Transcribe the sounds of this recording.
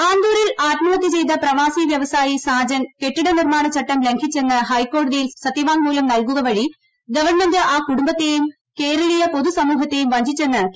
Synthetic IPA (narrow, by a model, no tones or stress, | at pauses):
aːnd̪uːɾilaːt̪mɐʋɐt̪ːit͡ɕe̞jt̪̬ɐprɐʋaːsiʋjɐʋɐsaːjisaːd͡ʑɐnke̞ʈːiɽenirmaːɳɐt͡ɕɐʈːɐmle̞ŋkʰit͡ɕːe̞nːɨhɐjkːo̞ːɽɐðijilsɐt̪ːiʋaːŋmuːlɐmnɐlkuɣɐʋɐɻi | ɡɐʋɐɳmendɨʔaːkuɽumbɐt̪ːejum | ke̞ːɾɐɭijɐpo̞ðusɐmuːɦɐt̪ːejumʋɐɲd͡ʑit͡ɕːe̞nːɨ